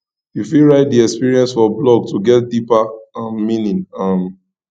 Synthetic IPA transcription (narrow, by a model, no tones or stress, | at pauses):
jifiɹaɪt̚diɛkspiɹiɛ̃nsfɔblɔɡ̚tuɡɛt̚dipãmːĩnĩnãm